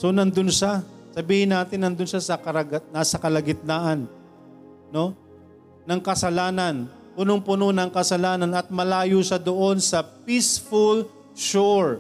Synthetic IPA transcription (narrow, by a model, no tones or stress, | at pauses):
so̞nɐnd̪ʊnʃa | sɐbiːhɪnːaːt̪ɪnːɐnd̪ʊnʃasɐkɐɾɐɡɐnaːsɐkɐlɐɡɪt̪̚naːʔɐn | no̞ | nɐŋkɐsɐlaːnɐn | pʊnoŋpʊnonɐŋkɐsɐlaːnɐnɐt̪̚mɐlaːjuʃɐd̪oʔo̞nsɐpisful | ʃoɹ